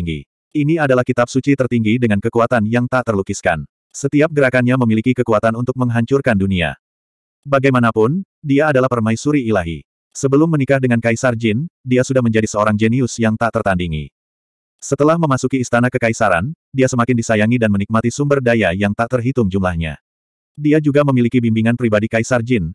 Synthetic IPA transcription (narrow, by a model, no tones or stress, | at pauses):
ŋɡḭ | iniadalahkit̪ap̚sut͡ʃit̪ərt̪iŋɡidəŋankəkuat̪anjaŋt̪aʔt̪ərlukiska̰n | sət̪iap̚ɡəɾakanɲaməmilikikəkuat̪anunt̪ʊk̚məŋɦaɲt͡ʃʊrkandunia̰ | baɡajmanapʊn | diaːdalahpərmaisuɾiːlaɦḭ | səbəlʊmːənikahdəŋankaisard͡ʒɪndiasudahməɲd͡ʒadisəoɾaŋd͡ʒɛniʊsjaŋt̪aʔt̪ərt̪andiŋḭ | sət̪əlahməmasukiːst̪anakəkaisaɾan | diasəmakɪndisajaŋidanmənik̚mat̪isumbərdajajaŋt̪aʔt̪ərɦit̪ʊmd͡ʒumlahɲa̰ | diad͡ʒuɡaməmilikibimbiŋanpəɾibadikaisard͡ʒɪn